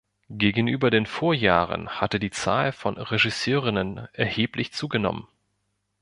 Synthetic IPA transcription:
ɡ̥eːɡŋ̩ʔyːbɐdeːnfoːɐjaːʁə̰nhatədiːt͡sa̰ːlfɔnʁeʒɪsøːʁɪnənʔɛɐheːplɪçt͡suːɡənɔ̰mən

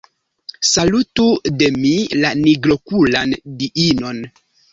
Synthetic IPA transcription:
salutude̞milaniɡlo̞kulandiino̞n

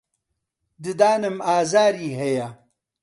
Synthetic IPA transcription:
d̪ɨd̪aːnəmaːzaːɾiːɦeja

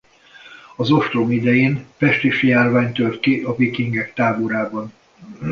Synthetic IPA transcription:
ɒzo̞ft̪romid̪ɛjeːnpɛʃt̪eːʃijaːrvaːɲt̪ørt̪kiʔɒvikiŋɡɛkt̪aːboɾaːbɒn

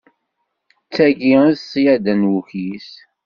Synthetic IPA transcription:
t͡sːæɡiðsjæd̪ænwuçis

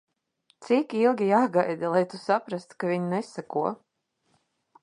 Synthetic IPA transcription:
t̪sikilˠɡʲijaːɡajd̪alˠajt̪usapɾast̪kavʲiɲnɛsakuɔ

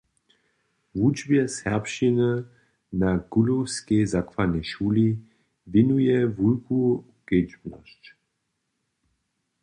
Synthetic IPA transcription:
vud͡ʒbjɛshɛʁpʃinə | naɡ̥ulowskezakvanɛʃuːli | vinujɛvulku | ɡ̥ed͡ʒbnɔ̰ʃt͡ɕ

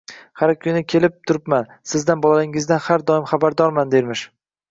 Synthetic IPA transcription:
haɾkʲʰʊnɪkʲʰe̞lɪp̚t̪ʰʊɾɪpman | sɪzd̪anbɒlˠalɪŋɪzd̪anhaɾd̪ɒɪmχabaɾd̪ɒɾmand̪eɾmɪʃ

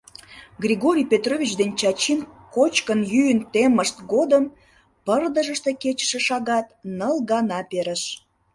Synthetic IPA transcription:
ɡrʲiɣoɾʲijpʲet̪rovʲit͡ɕd̪enʲt͡ɕɑt͡ɕinkot͡ɕkənjyjənt̪eməʃt̪ɡod̪əm | pərd̪əʒəʃt̪e̽ket͡ɕə̥ʃeʃɑɣɑt̪nəlɣɑnɑpeɾəʃ

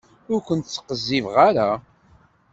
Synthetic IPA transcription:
ʊɾkʷənt̪t͡sːə̥qəzːivʁaɾa

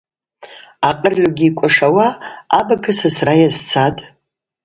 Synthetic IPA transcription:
aqʼərʕʊɡʲiːkʷʼaʂawaːbakʰɨsasrajazt͡sʰatʼ

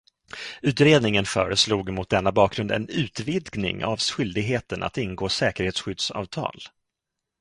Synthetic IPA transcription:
ʉ̟ːt̪ɾeːd̪nɪŋənfœ̰ːɾəsluːɡmʊt̪̚d̪ɛnːabɑːkɡɾɵnd̪ɛ̰nʉ̟ːt̪vɪd̪ɡnɪ̰ŋa̰vsɧʏld̪ɪɡɦeːt̪ənʔa̰t̪ɪnɡoːsɛːkəɾheːt̪sɧʏd̪sɑ̰ːvt̪ʰɑ̰ːl

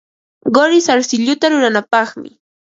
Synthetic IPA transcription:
ɢoɾɪsaɾsɪʎʊt̪aɾʊɾanapɑχmɪ̰

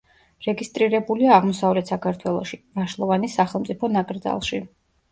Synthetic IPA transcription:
ɾɛɡist̪ʼɾiɾɛbuliaːʁmɔsavlɛt̪ʰsakʰaɾt̪ʰwɛlˠɔʃivaʃlˠɔvanisaχɛlˠmt̪sʼipʰɔnakʼɾd̪za̰lˠʃi

